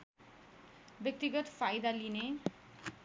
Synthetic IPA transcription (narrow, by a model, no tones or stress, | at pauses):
bek̚t̪iɡʌt̪fajd̪aline